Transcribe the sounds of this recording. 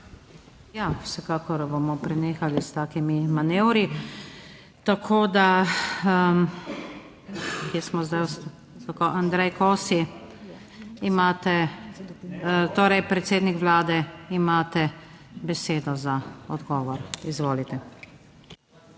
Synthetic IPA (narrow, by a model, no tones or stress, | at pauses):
jawsɛkaːkɔɾbomɔpɾɛneːxalist̪aːkimimanewɾi | t̪akʰoːd̪a | kjesmɔzd̪ajst̪ | t̪akoʔand̪ɾɛjkoːsi | imaːt̪ɛ | t̪oːɾɛjpɾɛt̪seːd̪nikʋlaːd̪ɛimaːt̪ɛbɛseːd̪ɔzaɔd̪ɡɔːʋɔɾizʋoːlit̪ɛ